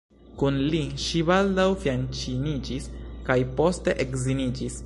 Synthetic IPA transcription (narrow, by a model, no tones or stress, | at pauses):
kunliʃiβaldawfjant͡ʃinid͡ʒiskajpo̞ste̞ʔekzinid͡ʒis